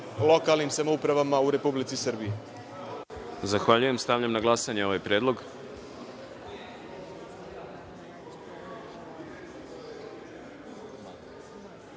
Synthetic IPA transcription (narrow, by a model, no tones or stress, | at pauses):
lˠo̞kalˠnimsamoupɾaʋamauɾe̞publit̪sisr̩bije | zaxʋaʎuje̞mst̪avʎamnaɡlˠasaɲeo̞ʋajpɾjeːd̪lˠo̞ɡ